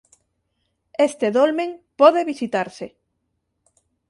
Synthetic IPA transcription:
est̪eðolmẽŋpɔðeβisit̪aɾse

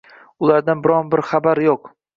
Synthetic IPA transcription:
ʊlˠaɾd̪anbɪɾɒnbɪɾχabaɾjoq

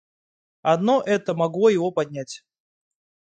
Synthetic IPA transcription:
ɐd̪noʔɛt̪əmɐɡlˠojɪvopɐdʲnʲætʲ

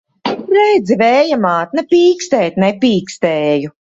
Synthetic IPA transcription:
ɾɛjd̪zivɛːjamaːt̪̚nɛpiːkst̪ɛːt̪nɛpiːkst̪ɛːju

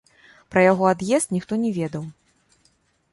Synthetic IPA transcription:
pɾɐjaɣɔad̪jɛst̪nʲixt̪ɔnʲɛvʲɛd̪ɐw

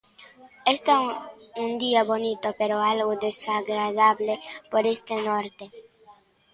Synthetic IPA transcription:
est̪aũnd̪iaβonit̪opeɾoalɣod̪esaɡɾaðaβlepoɾest̪enoɾt̪e

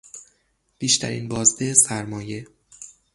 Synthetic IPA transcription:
b̥iːʃt̪ʰæ̰ɾḭːnbɒːzd̪esæɾmɒːje̞

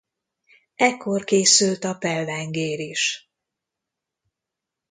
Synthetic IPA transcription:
ɛkːo̞rkeːsylt̪ɒpɛlːɛŋɡeːɾiʃ

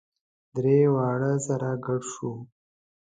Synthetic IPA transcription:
d̪ɾewɑːɽəsaɾaɡaɽʃu

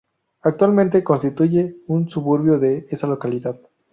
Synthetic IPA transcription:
ak̚t̪walmẽnt̪e̞ko̞nst̪it̪uʝe̞unsuβuɾβjo̞ðeesalo̞kaliðað

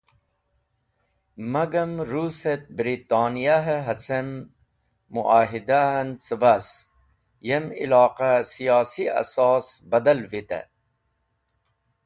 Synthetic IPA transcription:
mɐɡɐmɾuset̪̚bɾiːt̪aːnijaɦɦɐsɐmː | uʔaːɦid̪ant͡səbɐs | jemḭlɑːqasijɑːsiɐ̰sɑːsbɐd̪ɐlʋit̪ɐ̰

